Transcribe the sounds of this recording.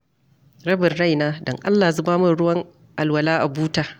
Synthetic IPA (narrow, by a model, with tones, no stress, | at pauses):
ɾɐ˦bɪ˨rɽa˦˨jnaː˦dɔ˨ŋʔa˦lːaː˨zʊ˦baː˦mʊ˦nɽʊ˦wɐ˦ŋ | ʔa˨lwɐ˨laː˦ʔa˨buː˦taː˨